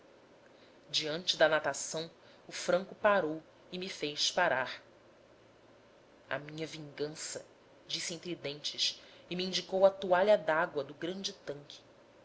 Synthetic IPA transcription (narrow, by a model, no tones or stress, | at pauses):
d͡ʒiɐ̃nt͡ʃɪd̪ɐnat̪asɐ̃w̃ | ʊfɾɐ̃kʊpaɾow | ɪmifejʃpaɾaɾ | ɐ̰mĩɲɐvĩŋɡɐ̃sɐ̰ | d͡ʒisiẽñt̪ɾid̪ẽnt͡ʃɪsɪmiĩnd͡ʒikowɐt̪uaʎɐd̪aɡwɐd̪ʊɡɾɐ̃nd͡ʒɪt̪ɐ̃ŋkʰɪ̥